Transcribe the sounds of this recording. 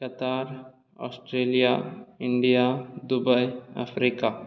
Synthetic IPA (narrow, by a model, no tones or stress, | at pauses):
kət̪aːɾ | ɔ̰ːsʈɾeːlijaɪ̃ɳɖijad̪ʊbəiə̰pʰɾika